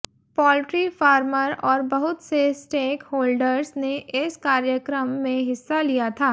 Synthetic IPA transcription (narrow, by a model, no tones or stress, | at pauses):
pɔːlʈɾifaːɾməɾɔːɾbɐɦʊt̪sesʈeːkhoːlɖəɾsneʔɪskaːɾjəkɾəmːẽɦɪsːalijat̪ʰaː